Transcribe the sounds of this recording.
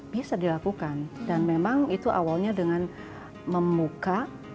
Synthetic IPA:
b̥isadilakukandanmemaŋit̪uʔa̰walɲadəŋan | məmbuka

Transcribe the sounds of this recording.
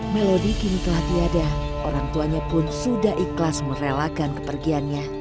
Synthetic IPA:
melodikinit̪əlahdiada | oɾaŋt̪uaɲapʊnsudaɦiklasməɾelakankə̥pərɡianɲa

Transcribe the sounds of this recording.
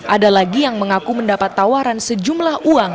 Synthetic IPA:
ʔadalaɡijaŋməŋakuməndapat̪ːawaɾansəd͡ʒumlahuaŋ

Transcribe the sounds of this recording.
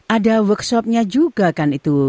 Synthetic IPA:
ʔadawəksɔp̚ɲad͡ʒuɡakanit̪u

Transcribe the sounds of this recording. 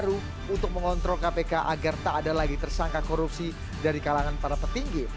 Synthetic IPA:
ɾu | unt̪ʊk̚məŋɔnt̪ɾɔlkapekaʔaɡart̪aːdalaɡit̪ərsaŋkakoɾupsi | daɾikalaŋanpaɾapərt̪iŋɡi

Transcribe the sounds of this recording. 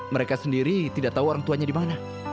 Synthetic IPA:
məɾekasəndiɾit̪idaʔt̪auoɾaŋt̪uaɲadimana

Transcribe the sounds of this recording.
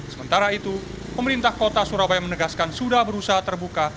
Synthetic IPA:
səmənt̪aɾait̪u | pəməɾint̪ahkot̪asuɾabajamənəɡaskansudahbəɾusaɦat̪ərbuka

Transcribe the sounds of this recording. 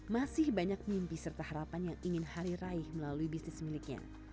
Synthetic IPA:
masɪhbaɲak̚mimpisərt̪ahaɾapanjaŋiŋɪnhaɾiɾaɪhməlaluibisnɪsmilikɲa̰

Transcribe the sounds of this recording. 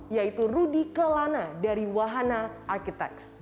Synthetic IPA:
jait̪urudikəlanadaɾiwaɦanaʔarkit̪ɛ̰ks

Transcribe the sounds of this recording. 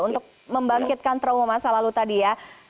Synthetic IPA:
unt̪ʊk̚ | məmbaŋkɪt̪̚kant̪ɾaumomasalalut̪adija

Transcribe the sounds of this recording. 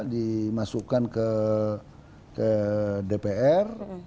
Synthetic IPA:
dimasuʔkankə | kədepeɛr

